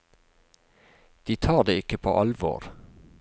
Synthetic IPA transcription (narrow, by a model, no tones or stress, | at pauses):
d̪̥iːt̪ʰɑːd̪eːɪkəpʰo̰ːʔɑlʋo̰ːɾ